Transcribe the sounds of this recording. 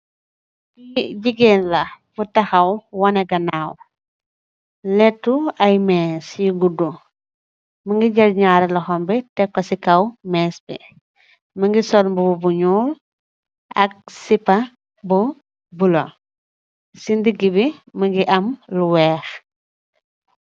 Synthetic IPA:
iɟiɡenlɐb̥utɐxɐwwɔnɛɡɐnaːw | lɛtːuɐjmɛːsjiɡudu | mɐŋɡiɟɐlɲaːɾɛlɔxɔmbitɛkːɔsikɐwmɛːsbḭ | mɐŋɡisɔlmbububuɲuːl | ʔɐ̰k̚sipɐ | bu | bulo̰ | sindiɡibimɐŋɡiʔɐmluwɛːx

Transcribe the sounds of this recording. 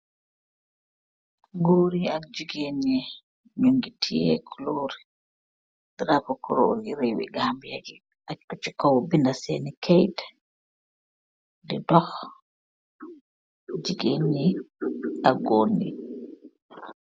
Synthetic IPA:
ɡoːɾiad͡ʒiɡeɲɛ | ɲuŋɡitʰijɛ̰kʰuloɾi | d̥ɾapɔkɔɾo̰ɡiɾewḭɡambijaɡi | aut͡ʃːikɔwɔbindasenikʰɛjdɛ̥ | dɛdɔx | d͡ʒiɡeɲɛ | aɡoni

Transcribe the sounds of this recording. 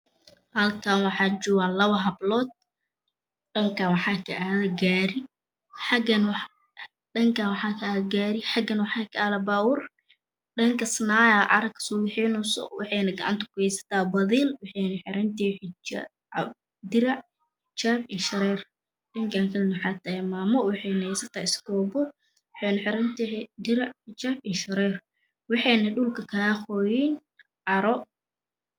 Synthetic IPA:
hɐlkʰanwɑħɑːd͡ʒʊwalɐβɐɦɐblɔːd̪̚ | ɖɐŋkʰɐwɑħɑːkʰɐʔaːðɐɡaːɾɪ | ħɑɡɐnw | ɗɐŋkʰawɑħɑːkʰɐaːðɡaːɾɪħɑɡɐnwɑħɑːkʰɐaːðɐbaːwʊr | ɖɐŋkʰɐsnaːjɐʕɑ̰ɾɐkʰsɔːwɪħiːnʊsɔ̰wɑħɛjnɐɡɐʕɑ̰nt̪ʰɐ̥kʰʊhɛjsɐ̥t̪ʰaːbɐðiːlwɑħɑjnɐħɪɾɐnt̪ʰiːħɪ | d̪ɪɾɐʕ | ħɪt͡ʃaːbiːʃɐɾɛːr | ɗɐŋkʰaŋkʰɐlnɐħɑt̪ʰɐjmaːmɔwɪħɑjnɐɛsɐt̪ʰaːɪsɡɔːbɔ | wɪħɛjnɐħɪɾɐnt̪id̪ɪɾaʕħɪt͡ʃaːbiːʃɐɾɛːr | wɑħɑjnɐɗʊlkʰɐkʰaxɔːjin | ʕɑɾɔ

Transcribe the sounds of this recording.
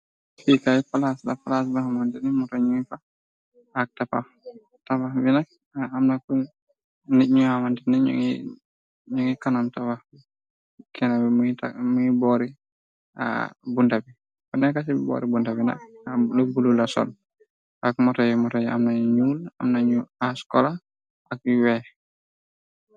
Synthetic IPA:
fikajifalaslafalas̬bahamandinɛmɔtɔɲuŋifa | hak̚tapa̰f | tababinak̚ | amnaku | niɲuhamandinɛɲ̰ŋi | ɲoŋikanamtabah | kʰɛnabimuita̰muɲibɔɾi | a̰bundabi | kɔnɛkas̬ibɔ̰ːɾibundabina̰k̚lɔbululasɔ̰l | ʔak̚mɔtajmɔtaja̰mnaɲuɲuːla̰mnaɲuaskɔla | ʔak̚juwɛ

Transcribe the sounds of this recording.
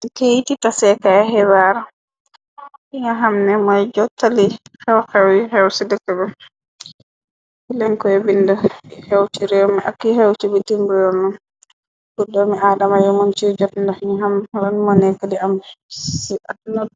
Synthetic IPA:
kejtitasɛkaɦɛwaɾa | hiŋaɦamnɛmajd͡ʒɔtːalihɛwxɛwihɛwsidɛkɛbɛ | hilɛŋkɔɛbindahewtiɾɛmiʔa̰kːihewtibitimbujɔnːɔn | budɔmiaːdamajɔmant͡ʃid͡ʒɔtndɔhiŋaɦamɾanmɔnɛkadiamsanɔd

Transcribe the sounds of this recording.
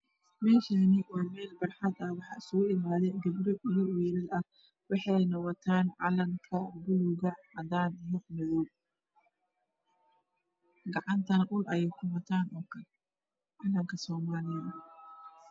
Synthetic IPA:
mɛːʃɐnɪʔɔːmɛːlbɐrħɑd̪ɐwɑħɑːɪsʊɣʊɪmaːðɛjd̪ɐbɾɪʊjɔwɛlɪlɐh | wɑħɑjnɐwɔt̪ʰaːnʕɑlɐŋkʰɐbʊlʊɣɐʕɐd̪aːnɪjɔnɔwɔ | ɡɑʕɑnt̪ʰɐnɐʔʊlʔɐjɛjkʰʊmɐt̪ʰaːnɔːkʰɐl | ʕɑːlɐŋkʰɐsɔːmaːlɪjɐ

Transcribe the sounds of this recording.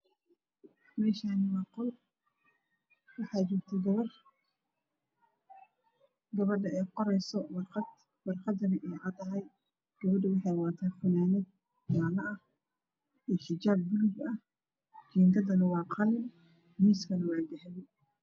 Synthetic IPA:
mɛːʃaːnɪwɑːqɔl | wɑħɑːt͡ʃɪrt̪ʰɛɡɐr | ɡɐβɐɖɐɛjqɔɾɛjsɔwr | wɑrqɑd̪ɐnɐʔɛːʕɑd̪ɐɦɐj | ɡ̥ɐβɐɖɪwɑħɑjwɑːt̪ʰɛːħʊnaːnɛd̪̚ | ɡaːlɐʔɐh | ijħɪd͡ʒaːb̚ːʊlʊɡɐh | t͡ʃiːnd̪ɐd̪ɐnɐwɑːqɑlɪm | miːskʰɐnɐwɑːɡɐħdɪ

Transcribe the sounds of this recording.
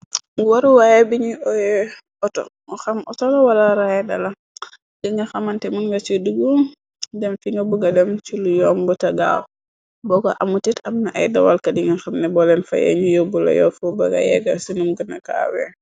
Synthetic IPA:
waɾuwajɛbiɲiɔjɛ | ɔtɔ̰ | xamʔɔtɔlawalaɾajɛda̰la | diŋɡaxamantɛmunɡat͡ʃuduɡu | dɛmfiŋɡabuɡadɛmt͡ʃulujɔmbɔtaɡa̰w | bɔka̰ʔamutitamnaʔa̰jdawalkadiŋɡaxamnɛbɔlɛnfa̰jɛ̰ɲujɔbula̰jɔ̰fɔbaɡa̰jɛ̰ɡasunumɡənaka̰wɛ̰

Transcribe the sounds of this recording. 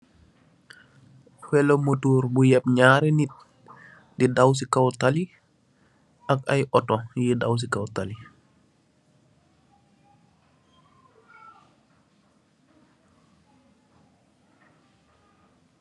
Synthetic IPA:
fɛlomotuːɾbujɛp̚ɲaːɾɛnit̚ | didaws̬ikawtali | akajʔɔtɔjidaws̬ikawtali

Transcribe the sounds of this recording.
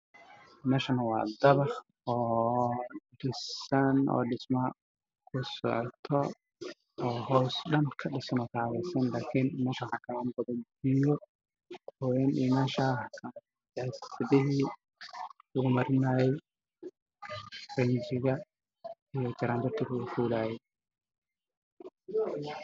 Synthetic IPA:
mɛːʃɐnwɑ̰ːd̪ɐβɑχ | ɔː | ɖɪsɐnɔ̰ːɖɪsmɐ | kʰʊsɔ̰ʕt̪ʰɔ | ɔːɦɔsɖɐnkʰɐɖɪsɐnɔːkʰaːɣɛjsɐnlaːkʰiːnmɛːʃɐwħɑkʰɐaːnbɐðɐnɪjɔ | hɔwɛnʔiːmaːʃaː | jasɪðɪɦiː | ʊɣʊmɐɾɪnaːjɛj | rɐnd͡ʒɪɣɐ | ijɔt͡ʃɐɾaːnd̪ɐrt̪ʰɪɾʊɣʊfuːlaːjɛ

